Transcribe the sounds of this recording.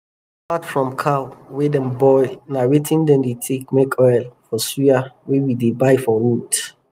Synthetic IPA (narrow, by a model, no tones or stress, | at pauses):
apatfɹɔ̃mkʰawedɛ̃nbɔɪnawetʰĩndɛ̃ndetʰek̚mekʰɔjlfɔsiawewidebaɪfɔɹut